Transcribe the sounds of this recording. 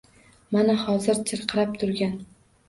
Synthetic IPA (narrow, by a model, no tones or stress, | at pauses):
manahɒzɪɾt͡ʃʰɨɾqʰɨɾap̚t̪ʰʊɾɡʲan